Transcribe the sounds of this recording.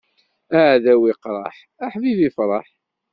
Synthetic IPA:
æʕðæwiqɾˤɑ̰ħ | æħmiðifɾˤɑħ

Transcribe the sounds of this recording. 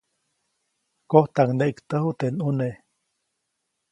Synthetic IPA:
koht̪aŋneʔikt̪əhut̪enune

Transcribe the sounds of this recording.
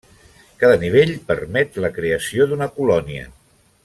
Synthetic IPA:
kaðəniβ̞eʎpəɾmɛt̪ləkɾeəsioðunəkulɔniə̰

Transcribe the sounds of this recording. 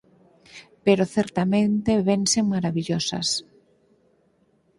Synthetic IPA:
peɾoθɛɾt̪amẽnt̪eβenseŋmaɾaβiʎosɐ̰s

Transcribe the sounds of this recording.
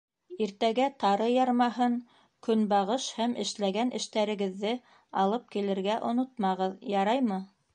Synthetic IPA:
iɾt̪æɡæt̪ɑɾɤjɑɾmɑɦɤŋ | kɵnbɑʁɤʃhæmʔɘ̆ʃlæɡænʔɘ̆ʃt̪æɾɘ̆ɡɘ̆ðːɘ | ɑlˠɤp̚kilɘ̆ɾɡæʔŏnot̪̚mɑʁɤðjɑɾɑjmɤ

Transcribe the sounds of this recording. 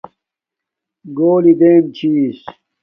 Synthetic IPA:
ɡoːlid̪eːnt͡ɕʰiːs

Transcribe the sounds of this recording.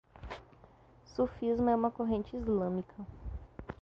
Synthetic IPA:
sufizmʊɛũmɐkoɦẽnt͡ʃɪizlɐ̃mikʰɐ

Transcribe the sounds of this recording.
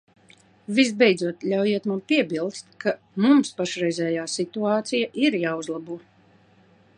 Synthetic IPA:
vizbɛjd̪zuɔt̪lʲawjiɛt̪mampiɛbilˠst̪̚ka | mumspaʃɾɛjzʲɛːjaːsit̪uaːt̪sijaʔiɾjaːuzlˠabuɔ

